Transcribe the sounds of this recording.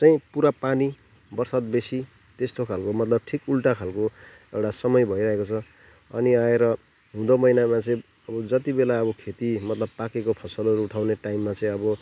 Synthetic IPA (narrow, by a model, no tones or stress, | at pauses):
t͡sʌĩpuɾapani | bʌrsad̪̚besi | t̪est̪okʰalkomʌt̪lʌb̚ʈʰikulʈakʰalko | ewʈasʌmʌjbʱʌiɾʌɦekot͡sʰʌ | ʌ̰niaeɾʌ | ɦũd̪ʌmʌjnamat͡sʌĩ | ʌbʌd͡zʌt̪ibelaʌbʌkʰet̪imʌt̪lʌb̚pakekopʰʌsʌlʌɾuuʈʰawneʈaimːat͡sʌĩʌbʌ